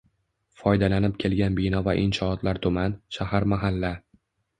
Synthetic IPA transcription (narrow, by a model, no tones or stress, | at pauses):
fɒjd̪alanɪp̚kʲʰe̞lɡʲanbɪnɒvaʔɪnʃɒːt̪laɾt̪ʰʊmanʃahaɾmaɦalːa